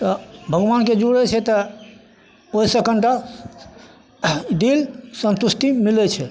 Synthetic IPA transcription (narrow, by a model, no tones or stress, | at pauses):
t̪ɔbʱəɡʋanked͡ʒuɽɛt͡ʃʰɛt̪ɔ | ojsəkəɳʈa | d̪ilsənt̪usʈ̪imilɛt͡ʃʰɛ